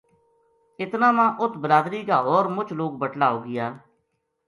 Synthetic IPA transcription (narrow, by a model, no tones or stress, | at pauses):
ɪt̪naːmãːʔʊt̪ʰbəɾaːd̪ɾiːkaːɦoːɾmʊt͡ʃʰloːkbəʈlaːɦoːɡɪjaː